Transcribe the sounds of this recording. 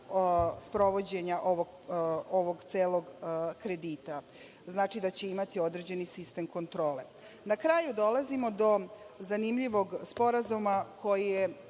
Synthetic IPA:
spɾo̞ʋo̞d͡ʑe̞ɲaʔo̞ʋoɡ | oʋoɡt̪seːlo̞ɡkɾe̞d̪iːt̪a | znaːt͡ʂid̪at͡ɕe̞imat̪io̞d̪ɾed͡ʑe̞nisist̪e̞mko̞nt̪ɾo̞ːle̞ | nakɾaːjud̪o̞lazimod̪o̞zanimʎiʋo̞ɡspo̞ɾazumako̞jije

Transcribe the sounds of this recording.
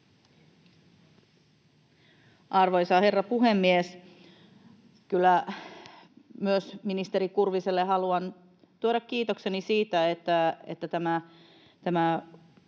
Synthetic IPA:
ʔɑrʋo̞jsɑhe̞rːɑpuɦemːies | kylːæ | myøsminist̪eɾikurʋiselːeɦɑluɑn | t̪uoɾɑkːiːt̪o̞kse̞nisiːt̪æet̪ːæḛt̪ːæt̪æmæ | t̪æmæ

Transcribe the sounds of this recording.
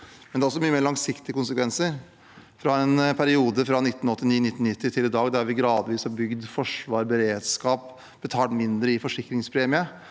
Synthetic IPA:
mmɛnɛɾɔsɔmyːəmeːɾɭɑŋsɪkt̪ɪəkʊnsəkʋɛnsəɾ | fɾɑɛnpʰæɾɪuːd̪əfɾɑnɪt̪ːnɔt̪ːɪniːnɪt̪ːn̩ɪt̪ːɪt̪ʰɪlɪd̪ɑːɡd̪æɾʋɪɡɾɑːd̪ʋiːshɑbʏɡd̪fɔʂʋɑːɾbəɾeːd̪skɑːp | b̥ət̪ʰɑːʈ̪mɪnd̪ɾəɪfɔʂɪkːɾɪŋspʰɾeːmɪə

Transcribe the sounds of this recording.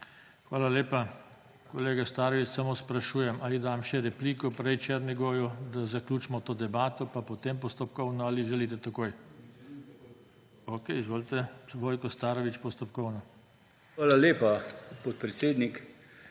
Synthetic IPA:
xʋaːlaleːpa | kɔleːɡast̪aːɾɔʋit͡ʃsamospɾaʃuːjɛmʔalid̪amʃɛɾɛpliːkɔpɾɛjt͡ʃeɾniɡoːjud̪azakluːt͡ʃmɔt̪oːd̪ɛbaːt̪ɔpapot̪empɔst̪ɔpkɔwnɔaːliʒɛlit̪ɛt̪akoːj | okɛjizʋoːlt̪ɛʋoːjkɔst̪aːɾɔʋit͡ʃpɔst̪ɔpkɔwnɔ | xʋaːlaleːpapɔt̪̚pɾɛt̪seːd̪nik

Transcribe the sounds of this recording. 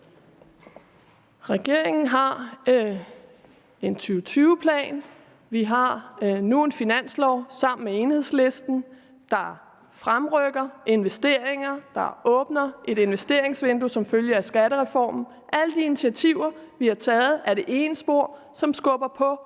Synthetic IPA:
ʁɛɡ̥e̝ɐ̰e̝ŋn̩ɦɑ̈ | e̝nt͡sʰyːʊt͡sʰyːʊəpʰlɛ̰ːn | ʋiɦɑ̈noːn̩finæn̰slɒ̰ʊ̰sɑ̈m̰n̩mee̝ːnhe̝ð̰ˠsle̝sd̥n̩ | d̥ɑ̈ | fʁamʁœɡ̥ɐe̝nʋesd̥e̝̰ɐ̰eŋɐd̥ɑ̈ɔ̽ːb̥nɐʔe̝ɾe̝nʋesd̥e̝ɐ̰e̝ŋsʋend̥usɒ̽mføljəæsɡ̥æɾəʁɛfɒ̰ːmn̩ | ʔæləd̥iinit͡sʰiæt͡sʰiʊɐʋihɑ̈t͡sʰɛːð̞̩ˠæɐɾe̝ʔe̝ːnəsb̥o̝ɐ̰ | sɒ̽msɡ̥ɔ̽b̥ɐpʰɒ̽

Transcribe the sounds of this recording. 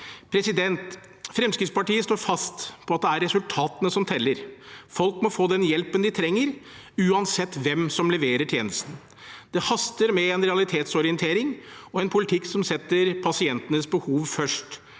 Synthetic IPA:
pʰɾɛsɪd̪ɛnt̪ | fɾɛmskɾɪt̪spɑʈiːəst̪oːɾfɑst̪pʰɔɑt̪̚d̪ɛæɾːɛsʉlt̪ʰɑːt̪ənəsɔmt̪ʰɛlːəɾfɔlkmɔfoːd̪ɛnjɛlpənd̪ɪt̪ʰɾɛŋːəɾ | ʉːɑnsɛt̪ːʋɛmsɔmlɛʋeːɾəʈʰjeːnəst̪n̩ | d̪ɛhɑst̪əɾmɛɛnɾɛɑlɪt̪ʰeːt̪sɔɾɪənt̪ʰeːɾɪŋɔɛnpʰʊlɪt̪ʰɪksɔmsɛt̪ːəɾpʰɑsɪɛnt̪ənəsbəhuːʋfœʂʈ

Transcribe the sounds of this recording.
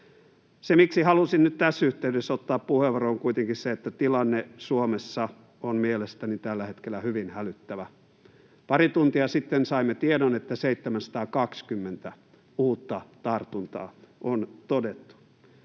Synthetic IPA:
semiksihɑlusinnyt̪t̪æsːyht̪eydesot̪ːɑːppuheʋʋɑroːŋkuit̪eŋkisseet̪ːæt̪ilɑnːesuomesːɑ | onmielest̪ænit̪ælːæhet̪kelːˑæhyʋinhælyt̪ːæʋæ | pɑrit̪unt̪iɑsit̪ːensɑimːet̪iedonet̪ːæseit̪ːemænsɑ̥t̪ɑːkɑkskymːent̪æ | uːt̪ːɑt̪ɑrt̪unt̪ɑ̰ːʔont̪odet̪ːu̥

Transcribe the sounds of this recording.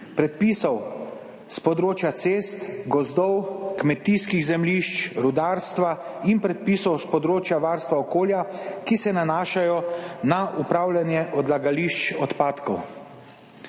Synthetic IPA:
pɾɛt̪̚piːsɔw | spɔd̪ɾoːt͡ʃjat̪seːst̪ɡɔzd̪ɔwkmɛt̪iskiɣzɛmliʃt͡ʃɾud̪aːɾst̪ʋa | inpɾɛt̪̚piːsɔwspɔd̪ɾoːt͡ʃjaʋaɾst̪ʋaɔkoːljakisɛnanaːʃajɔnaʔupɾawljanjɛʔɔd̪laɡaliʃt͡ʃɔt̪paːt̪kɔw

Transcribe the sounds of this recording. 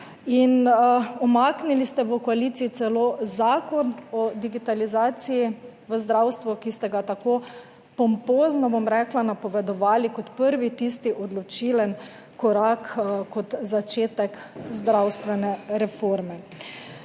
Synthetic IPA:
inɔmaknilist̪ɛʋəkɔalit̪siit̪sɛloːzaːkɔnɔd̪iɡit̪alizaːt̪siji | ʋəzd̪ɾawst̪ʋɔkist̪ɛɡat̪ako | pɔmpoːznɔbomɾɛːklanapɔʋɛd̪ɔʋaːlikɔt̪pəɾʋit̪ist̪iʔɔd̪lɔt͡ʃilɛn | kɔɾakkɔt̪zat͡ʃeːt̪ɛkzd̪ɾawst̪ʋɛnɛɾɛfoɾmɛ

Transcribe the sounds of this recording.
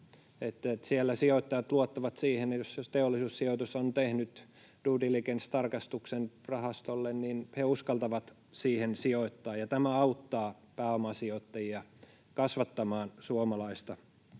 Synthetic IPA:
et̪ːet̪sielːæsioit̪ːɑjɑt̪luot̪ːɑʋɑt̪siːhenjost̪eolːisuːssiot̪usont̪ehnyt̪ | d̥uːdilikenst̪ɑrkɑst̪uksenrɑhɑst̪olːenninheuskɑlt̪ɑʋɑt̪ | siːhensioit̪ːɑːjɑt̪æmæɑut̪ːɑː | pæːomɑsiot̪ːɑjiɑ | kɑsʋɑt̪ːɑmɑːnsuomɑlɑist̪ɑ

